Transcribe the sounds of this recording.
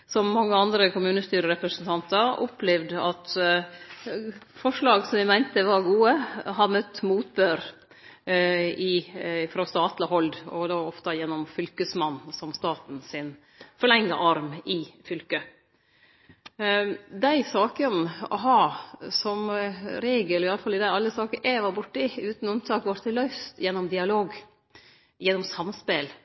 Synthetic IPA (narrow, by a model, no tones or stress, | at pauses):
sɔmːɑŋːəɑnd̪ɾəkʊmʉːnəst̪yːɾəɾɛpɾəsənt̪ʰɑnt̪əɾʔɔplɛʋd̪ɑt̪ | fɔʂɭɑːɡsɔmʋɪmæɪnt̪əʋɑɾɡuːəɦɑɾmœt̪ːmuːt̪̚bøːɾ | ɪfɾoːst̪ɑːt̪ləhɔld̪ɔ̰d̪oːɔft̪ɑjɛnːɔmfʏlkəsmɑnːsɔmst̪ɑːt̪n̩sɪn | fɔɭɛŋːə̰ʔɑɾmɪfʏlkə | d̪æɪsɑːkənɔ̰ɦɑsɔmɾeːɡəlɔɪɑləfɑlɪd̪æɑlːəsɑːkəʔɛʋɑɾbʊʈːəɪʉːt̪n̩ʉmt̪ʰɑːkʋɑɾt̪ʰːɪlœʏst̪jɛnːɔmd̪ɪɑloːɡ | jɛnːɔmsɑmspɛl